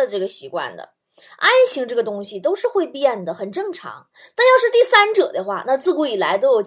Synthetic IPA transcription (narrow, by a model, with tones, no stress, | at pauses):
ə˨ʈ͡ʂɤ˥˩ɡə˩ɕi˧˥kwa̰˥˩nd̪ə̰˩ | a˥nt͡ɕʰi˧˥ŋʈ͡ʂɤ˥˩ɡə˩t̪ʊ˥ŋɕi˨˩t̪o˥ʊʂɻ̩˥˧xwe˥˧ɪpjɛ˥˩nd̪ə˩xə˨˩nʈ͡ʂɤ˥˩ŋʈ͡ʂʰɑ̰˧˥ŋ | t̪a˥˧njɑ˥˧ʊʂɻ̩˥˧t̪i˥˩sa˥nʈ͡ʂɤ̰˨˩d̪ə˦xwa̰˥˩na˥˧t͡sɹ̩˥˩ku˧˥i˨˩la˧˥ɪt̪o˥ʊjʊ